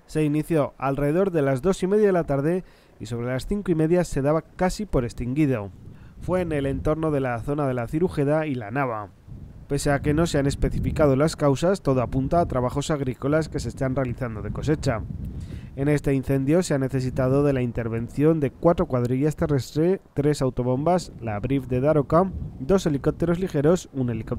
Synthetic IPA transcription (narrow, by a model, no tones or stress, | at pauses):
se̞iniθjo̞alre̞ðeðo̞ɾðe̞lazðo̞sime̞ðjaðelat̪aɾðe̞ | iso̞βɾe̞lasθiŋkoime̞ðjase̞ðaβakasipo̞ɾe̞st̪iŋɡiðo̞fwe̞ːne̞le̞nt̪o̞ɾno̞ðe̞laθo̞naðe̞laθiɾuxe̞ðailanaβ̞a | pe̞seake̞no̞se̞ane̞spe̞θifikað̞o̞laskawsast̪o̞ð̞oapunt̪aːt̪ɾaβaxo̞saɣ̞ɾiko̞laske̞se̞ːst̪anre̞aliθand̪o̞ð̞e̞ko̞se̞t͡ʃa | e̞ne̞st̪e̞in̟θẽ̞nd̪jo̞seane̞θe̞sit̪að̞o̞ðe̞laint̪e̞ɾβẽ̞n̟θjo̞nd̪e̞kwat̪ɾo̞kwaðɾiʝast̪e̞re̞st̪ɾe̞t̪ɾe̞sawt̪o̞β̞o̞mbaslaβɾifd̪e̞ðaɾo̞kad̪o̞se̞liko̞p̚t̪e̞ɾo̞zlixe̞ɾo̞sune̞liko